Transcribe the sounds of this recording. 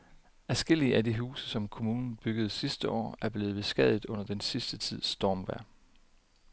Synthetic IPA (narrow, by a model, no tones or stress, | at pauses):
æɐsɡ̥e̝l̰iəʔæd̥iɦṵːsəsɒ̽mkʰo̝muːnn̩b̥yɡ̥əð̞̩ˠsisd̥əʔɒ̰ːæɐb̥le̝ːð̞̩ˠʋe̝sɡ̥ɛð̞̰ˠi̥ɔ̽n̰ɐd̥ensisd̥ət͡sʰið̰ˠsd̥ɒːmʋæɐ̰